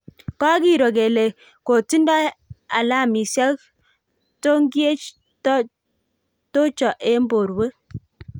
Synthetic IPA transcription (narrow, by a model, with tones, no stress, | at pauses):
kɔ˦ki˦˨ɾo˨ke˨le˨ | ko˨ti˦ndɔ˦a˨la˦˨mi˨sa˦k | to˦ŋ˦ɡje˦t͡ʃ | t | to˦t͡ʃɔ˨ʔe˦m˦bo˨ɾwe˦